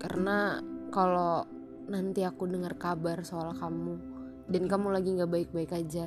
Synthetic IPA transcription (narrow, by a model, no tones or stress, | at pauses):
ka̰rənakalo | nant̪iakudəŋərkabarsoalkamu | dankamulaɡiŋɡabaɪk̚baɪkad͡ʒa